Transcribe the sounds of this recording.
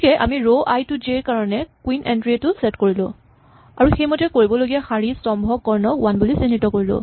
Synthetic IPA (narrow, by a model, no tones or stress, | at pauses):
kɛʔa̰miɹoʔajtʊd͡ʒeɹkaɹɔnɛkwinʔɛ̰ndɹietʊsɛtkoɹilʊ̰̃ | a̰ɹuxejmɔtɛkoɹibɔloɡiaxaɹistɔmbʱɔkːɔɹnɔkwanbulisinitɔkoɹilʊ̰̃